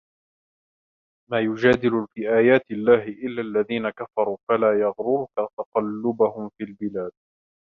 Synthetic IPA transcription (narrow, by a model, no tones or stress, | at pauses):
maːjʊd͡ʒaːd̪ɪlʊfiːʔaːjaːt̪ɪlːaːɦɪʔɪlːaːlːaðiːnakafɑɾˤuːfalaːjɑɣɾʊɾukat̪ɑqɑlːʊbahʊmfiːlbɪlaːd̪̚